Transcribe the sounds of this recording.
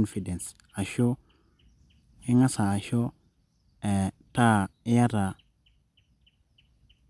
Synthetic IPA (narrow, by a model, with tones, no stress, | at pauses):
nfi˨de˨ns | a˨ʃo˦ | i˦ŋa˦sa˨a˨ʃo˦ | e˨ta˦˨i˦ja˦ɾa˨